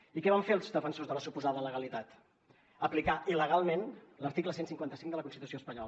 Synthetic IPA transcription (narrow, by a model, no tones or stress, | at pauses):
ikɛβaɱfeəlˠzðəfənsozðələsupuzaðələɣəlit̪at̪ | əplikaʔiləɣ̞alˠmenləɾt̪ikləsensiŋkwant̪əsiŋd̪ələkunst̪it̪usioəspəɲɔlə